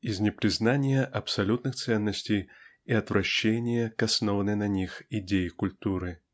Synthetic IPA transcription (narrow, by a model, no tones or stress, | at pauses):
iznʲɛpɾʲɨznanʲɪjɐʔɐpsalʲut̪nɨxt̪sɛnːɐsʲt͡sʲej | iɐt̪vɾʔaɕːenʲɪjɐkasnɔvɐnɨjnɐnʲixid͡zʲejikulʲt̪uɾɨ